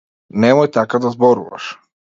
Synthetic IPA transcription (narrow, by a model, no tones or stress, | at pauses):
nemojt̪akad̪azboɾṵʋa̰ʃ